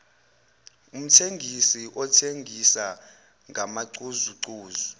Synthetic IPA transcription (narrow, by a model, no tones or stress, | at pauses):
um̩tʰeŋɡʱisiʔɔtʰeŋɡʱisa | ŋʱamaǀuzuǀuːzu